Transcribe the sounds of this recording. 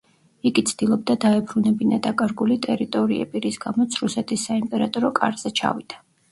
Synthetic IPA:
iɡit̪sʰd̪ilˠɔbd̪ad̪aɛbɾunɛbinad̪akʼaɾɡulit̪ʼɛɾit̪ʼɔɾiɛ̰biɾisɡamɔt̪sʰɾusɛt̪ʰisːaimpʼɛɾat̪ʼɔɾɔkʼa̰ɾz̥ɛt͡ʃʰa̰vid̪̥a

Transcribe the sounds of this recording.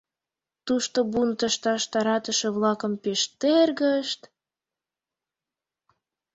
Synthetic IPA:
t̪uʃt̪obunt̪əʃt̪ɑʃt̪ɑɾɑt̪əʃĕβlɑkəmpeʃt̪erɣəʃt̪

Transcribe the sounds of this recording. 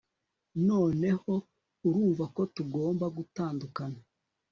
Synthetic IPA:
no̞ːne̞ho̞ | uɾuːɱvako̞tuɡo̞ːmbaɡutaːndukana

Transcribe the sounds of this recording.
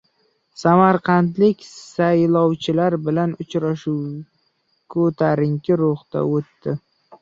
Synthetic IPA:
samaɾqɑnt̪lɪkʲsajlˠɒwt͡ʃʰɪlaɾbɪlanʊt͡ʃɾaʃu | kʰɵt̪ʰaɾɪŋkʲʰɪɾʊχt̪a̰ot̪ːɪ

